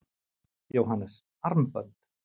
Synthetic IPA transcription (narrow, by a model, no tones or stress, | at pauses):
jowɦanːɛs | aɾmpœnt̪